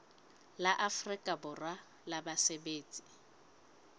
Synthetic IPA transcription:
laʔafrikʼabʊrwa | labasebeːt͡sʼi̥

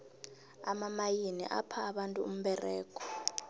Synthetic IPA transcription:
amamajinḭʔa̰pʰaːɓantʼuum̩ɓɛrɛːk̬ʰʼɔ̥

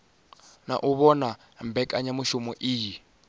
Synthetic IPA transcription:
na̰ʔuβɔna | mbɛkʼaɲamuʃumɔʔiːji

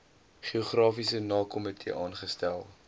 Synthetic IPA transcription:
χioχrɑːfisənɑːkɔmɛtjə̰ʔɑːnχəstælˠ

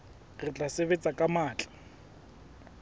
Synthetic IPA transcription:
rɪt͡ɬʼaseβet͡sʼakʼamaːt͡ɬʼḁ

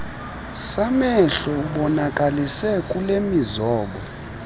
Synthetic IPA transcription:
samɛɬɔɓɔnakʼalisɛkʼulemizɔːɓɔ

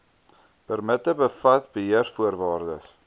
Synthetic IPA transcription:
pərmətəbəfɐtbəɦiərsfuərvɑːrdəs

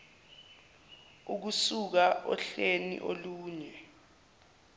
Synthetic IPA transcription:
uk̬usuk̬aʔɔ̰ɬenḭʔoluːɲɛ

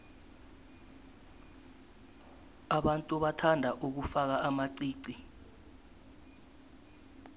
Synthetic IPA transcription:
aɓantʼuɓatʰandʱaʔuk̬ufak̬aʔamaǀiːǀi

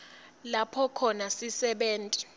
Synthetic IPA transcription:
lapʰɔkʰɔnasisɛɓeːntʼi̥

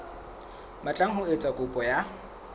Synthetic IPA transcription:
mat͡ɬʼaŋ̩ɦʊet͡sʼakʼʊpʼɔja

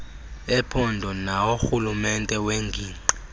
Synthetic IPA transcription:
ɛpʰɔndʱɔnaoxulumɛntʼɛweŋɡʱiːǀi

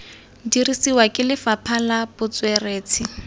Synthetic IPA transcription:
dirisiwakʼɪlɪfapʰalab̥ʊt͡swɛreːt͡sʰɪ

